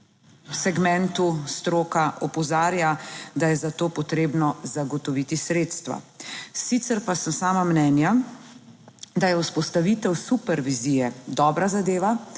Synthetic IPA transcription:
wsɛɡmɛ̃nt̪ust̪ɾoːkaʔɔpɔzaːɾjad̪ajɛzat̪oːpɔt̪ɾeːbnɔzaɡɔt̪ɔʋiːt̪isɾeːt̪st̪ʋa̰ | sit̪sɛɾpasəmsaːmamnɛːnja | d̪ajɛuspɔst̪aʋit̪ɛwsupɛɾʋiziːjɛd̪ɔːbɾazad̪eːʋa

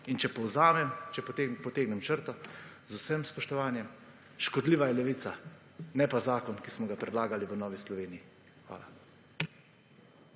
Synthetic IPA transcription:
int͡ʃɛpɔwzaːmɛmt͡ʃɛppɔt̪eːɡnɛmt͡ʃəɾt̪ɔ | zusɛmspɔʃt̪ɔʋaːnjɛm | ʃkɔd̪liːʋajɛlɛʋisa | nɛpazaːkɔnkismɔɡapɾɛd̪laːɡaliʋənɔːʋislɔʋeːniji | xʋa̰ːla̰

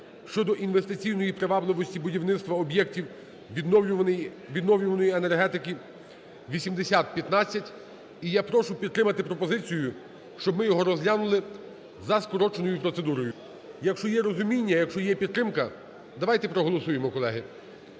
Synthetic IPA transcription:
ʃt͡ʃɔd̪ɔʔinʋest̪ɪt͡sʲijnɔjipɾeʋɑblˠɪʋɔsʲtʲibʊdʲiwnɪt̪st̪ʋɐɔbʲjɛktʲiw | j | ʋʲid̪nɔwlʲʊʋɐnɔjiene̞rɦɛt̪ɪki | ʋʲisʲimd̪esʲat̪̚pʲjɐt̪nat͡sʲːɐtʲ | ijapɾɔʃʊpʲit̪t̪ːɾɪmɐt̪ɪpɾɔpɔzɪt͡sʲijʊ | ʃt͡ʃɔbmɪjɔɦɔɾɔzɦlʲanʊlˠɪ | zɐskɔɾɔt͡ʃenɔjʊpɾɔt̪sed̪uɾɔjʊ | jɐkʃt͡ʃɔjɛɾɔzʊmʲinʲːɐjɐkʃt͡ʃɔjɛpʲid̪ːɾɪmkɐ | d̪ɐʋɑjt̪ɛpɾɔɦɔlˠɔsujemɔkɔlˠɛɦɪ

